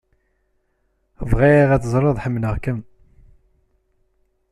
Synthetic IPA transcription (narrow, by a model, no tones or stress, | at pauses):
vʁiiʁæt͡səzˤɾˤəðˤħəmːnəʁkəm